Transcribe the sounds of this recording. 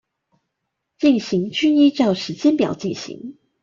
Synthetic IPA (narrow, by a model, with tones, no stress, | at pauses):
t͡ɕi˥˩ŋɕi˨˦ŋt͡ɕʰy˥ni˥ʈ͡ʂɑ˥˩ʊʂɻ̩˧˥t͡ɕjɛ˥npjɑ˨˩ʊt͡ɕi˥˩ŋɕḭ˧˦ŋ